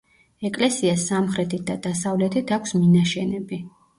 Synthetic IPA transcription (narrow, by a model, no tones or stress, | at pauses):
ɛkʼlɛsiasamχɾɛt̪ʰit̪̚d̪ad̪asavlɛt̪ʰit̪ʰakʷʰsminaʃɛnɛbi